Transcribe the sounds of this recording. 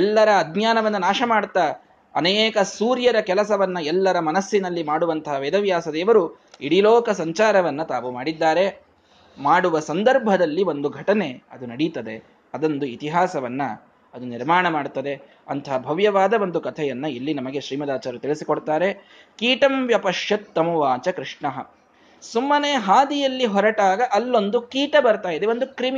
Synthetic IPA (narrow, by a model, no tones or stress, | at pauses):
ɛlːɐɾɐːd̪ɲjaːnɐʋɐnːɐnaːʃɐmaːɽt̪ːɐ | ɐneːkɐsuːɾjɐɾɐkɛlɐsɐʋɐnːɐɛlːɐɾɐmɐnɐsːinɐlːimaːɽuʋɐnt̪ɐɦɐʋeːd̪ɐʋjaːsɐd̪ɛːʋɐɾu | iɽiloːkɐsɐɲt͡ʃaːɾɐʋɐnːɐt̪aːʋumaːɽid̪ːaːɾe̞ | maːɽuʋɐsɐnd̪ɐɾbʱɐd̪ɐlːiʋo̞nd̪uɡʱɐʈɐne̞ɐ̰d̪unɐɽit̪ɐd̪e̞ | ɐd̪ond̪uit̪iɦaːsɐʋɐnːɐ | ɐd̪uniɾmaːɳɐmaːɽt̪ːɐd̪e̞ | ɐnt̪ʰɐɦɐbʱɐʋjɐʋaːd̪ɐʋond̪ukɐt̪ʰɛjɐnːɐilːinɐmɐɡe̞ʃɾiːmɐd̪aːt͡ʃaːɾɐt̪iɭisikoɽt̪aːɾe̞ | kiːʈɐmʋjɐpɐʂjɐt̪ːɐmuʋaːt͡ʃɐkɾiʂɳɐɦɐ | sumːɐneɦaːd̪ijɐlːiɦɔɾɐʈaːɡɐʔɐlːo̞nd̪ukiːʈɐbɐɾt̪aːjid̪eʋo̞nd̪ukɾimi